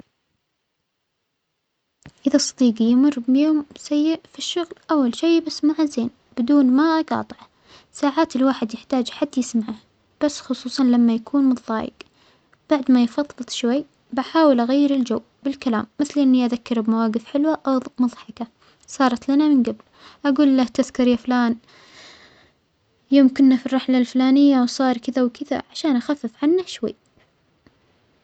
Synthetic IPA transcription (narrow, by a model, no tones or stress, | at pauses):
ʔɪðasˤɑ̥d̪iːɡjmʊrːbjoːmsajːɪʔfiʃːʊɣlʔawːalʃeːbasmaʕzeːn | b̥ɪd̪uːnmaʔɑqɑ̰ːt̪ˤɨʕ | saːʕaːt̪ɪlwaːħɪd̪jɪħt̪aːd͡ʒħad̪ːjɪsmaʕah | b̥asːxʊsˤuːsˤɑnlamːajakʰuːnmʊðˤːɑ̰ːjɪ̰ɡ | b̥aʕd̪majfɑðˤːɨðˤʃwajː | baħaːwɪlʔaɣajːɪɾɪld͡ʒawː | bɪlkala̰ːmːɪθlʔɪnːiʔaðakːɑɾbmawaːɡɪfħɪlwaʔamʊðˤħɑka | sˤɑːɾˤɑt̪lanamɪnɡabl | ʔaɡuːlːaht̪ɪðkɑɾjaflaːn | joːmkʊnːafirˤːɑħlalflaːnɪjːawsˤɑːɾˤkɪðawkɪða̰ʕaʃaːnʔaxafːɪfʕanːaʃwa̰jː